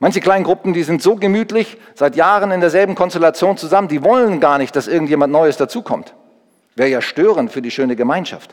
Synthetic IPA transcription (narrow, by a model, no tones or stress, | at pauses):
mançəkl̥aɪnɡʁʊpm̩diːzɪntz̥oːɡəmyːtlɪç | z̥aɪtjaːʁənɪndeːɐzɛlbm̩kʰɔnstɛlat͡sjoːnt͡suzaməndiːvɔlənɡaːɐnɪçt̚d̥asʔɪɐɡŋ̩tjeːmantnɔʏəsd̥at͡suːkʰɔmt | v̥ɛːjaːʃtøːʁəntfyːɐdiːʃøːnəɡəmaɪnʃa̰ft